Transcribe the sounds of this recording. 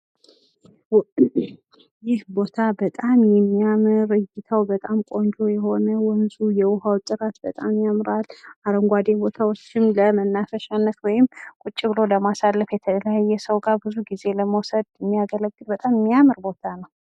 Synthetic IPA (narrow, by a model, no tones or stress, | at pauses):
jɪhbo̞t̪ʰabət̪ʼamjɛmːiamɨɾɨjːɪt̪ʰawbət̪ʼamkʼo̞nd͡ʒo̞jɛho̞nəwɔnzujɛwʊɦawt̪ʼɨɾat̪bət̪ʼamjamɾalaɾəŋɡʷad̪ebo̞t̪ʰawot͡ʃːɪmləmənːafəʃanːət̪wɔjɪmkʼut͡ʃʼːɨɡlo̞ləmasalːəfjɛt̪ʰələjajːɛsəwɡaɾbɨzuɡize̞ləməwsəd̪jɛmːijaɡələɡːɨlbət̪ʼammːiamɨɾbo̞t̪ʰanəw